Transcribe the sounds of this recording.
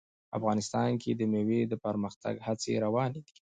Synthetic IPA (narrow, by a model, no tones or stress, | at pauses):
a̰fɣɑnɪst̪ɑnkʰed̪əmewed̪əpəɾməxt̪ʰa̰ɡhat͡sḛɾawɑned̪i̥